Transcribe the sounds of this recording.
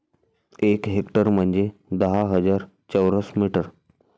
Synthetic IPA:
ekɦekʈəɾm̤əɳd͡zed̪əɦaɦəd͡zaɾ | t͡ɕəwɾəsmiʈəɾ

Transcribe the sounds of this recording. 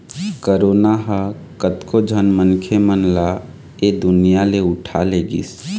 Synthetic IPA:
kəɾoːnaɦə | kət̪kod͡ʒʱənmənkʰemənla | ed̪ʊnijaleʊʈʰaleɡḭs

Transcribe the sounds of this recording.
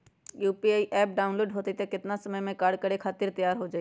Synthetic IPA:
juːpiaːiʔɛːp̚ɖaːʊ̃nloːɖɦoːt̪it̪ekɪt̪nasɐməjmẽkaːɾɖkɐɾekʰaːt̪ɪɾt̪ɐjaːɾɦod͡ʒaːi

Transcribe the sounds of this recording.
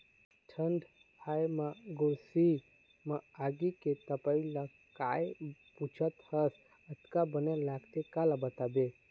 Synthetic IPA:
ʈʰəɳɖ | hajmaɡuɾsi | maaɡiket̪əpaila | kajput͡ʃʰət̪həs | ət̪kabənelaɡt̪ekalabət̪abe

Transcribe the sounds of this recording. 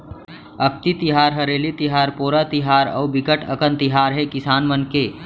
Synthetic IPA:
ək̚ʰt̪it̪ɪɦaːɾɦəɾeːlit̪ɪɦaːɾpoːɾat̪ɪɦaːɾɔ̰ːbɪkəʈə̰kənt̪ɪɦaːɾɦɛkɪsaːnmənke

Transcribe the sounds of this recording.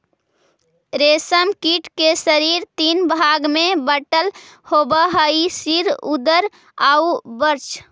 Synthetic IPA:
ɾesəmkiʈkesəɾiɾt̪inbʱaɡmẽbəʈəl | hobəɦəisiɾud̪əɾ | aubəɾt͡ʃʰ

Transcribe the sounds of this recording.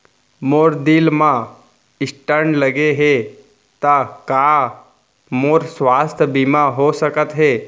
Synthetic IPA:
moːɾd̪ɪlmã | ɪsʈəɾɳləɡeɦe | t̪aka | moɾswaːst̪ʰbimaɦosəkət̪ɦeː

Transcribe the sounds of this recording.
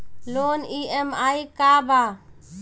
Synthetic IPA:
loːniemaːikaːbʱaː

